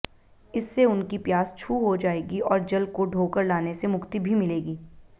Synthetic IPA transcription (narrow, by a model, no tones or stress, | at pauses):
ɪsːeʊnkipjaːst͡ʃʰuːɦod͡ʒaːeːɡiɔːɾd͡ʒɐlkoɖʱoːkəɾlaːnesemʊkt̪ibʱimɪleːɡiː